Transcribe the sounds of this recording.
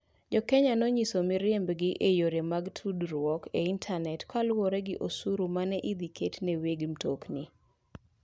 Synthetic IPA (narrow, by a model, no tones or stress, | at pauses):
d͡ʒɔkɛɲanɔɲisomɪɾjembɡɪʔejoɾemaɡtʰudɾwɔkeintʰanɛtkalwɔɾɛɡɪʔosuɾumanɛʔid̪ikʰetneweɡmtokni